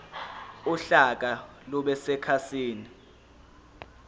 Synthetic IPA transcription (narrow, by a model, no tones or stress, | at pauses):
uɬak̬alɔɓɛsɛkʰasiːni